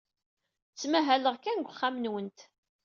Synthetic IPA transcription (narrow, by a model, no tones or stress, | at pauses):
t͡sːmæɦæləʁkænɡʷχːamnwənt̪